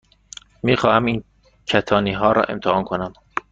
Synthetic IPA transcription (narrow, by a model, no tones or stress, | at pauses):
miːxɒːhæmiːn | cʰæt̪ʰɒːniːɦɒːɾɒ̰ːʔe̞̰mt̪ʰehɒːnkʰonæm